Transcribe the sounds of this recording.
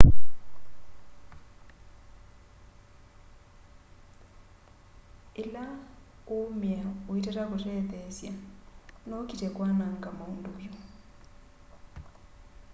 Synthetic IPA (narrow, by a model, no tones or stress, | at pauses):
ɪla | omjaoitatakʊtɛðɛsjanokitɛkwanaŋ̩kamaunduβjo